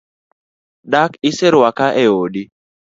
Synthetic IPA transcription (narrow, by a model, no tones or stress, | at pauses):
dakɪseɾwakaʔɛoɗi